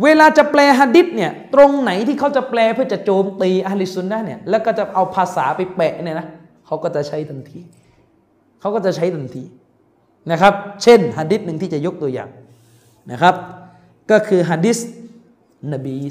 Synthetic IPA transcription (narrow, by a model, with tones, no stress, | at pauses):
weː˧laː˧t͡ɕa˨˩plɛː˧ɦaː˧di˦˥t̪̚ni˥˩ɐt̪ɾo˧ŋna˩˦jt̪ʰiː˥˩kʰa˦˥wt͡ɕa˨˩plɛː˧pʰɯ˥˩ɐt͡ɕa˨˩t͡ɕoː˧mt̪iː˧ʔa˧li˦˩su˧nːa˦˥˩ni˥˩ɐlɛː˦˥˩wkɔː˥˩t͡ɕa˨˩ʔa˧wpʰaː˧saː˩˦pa˧jpɛː˨˩ʔni˥˩˨na˦˥ | kʰa˦˥wkɔː˥˩t͡ɕa˨˩t͡ɕʰa˦˥jt̪ʰa˧nt̪ʰiː˧ | kʰa˦˥wkɔː˥˩t͡ɕa˨˩t͡ɕʰa˦˥jt̪a˧nt̪ʰiː˧ | na˦˥˩kʰa˦˥p̚t͡ɕʰe˥˩nɦaː˧di˦˥t̪̚nɯ˧ŋiː˥˩t͡ɕa˨˩jo˦˥k̚t̪u˧ɐja̰ː˨˩ŋ | na˦˥˩kʰa˦˥p̚ | kɔː˥˩kʰɯː˧ɦaː˧diː˦˥s | na˧˩biː˧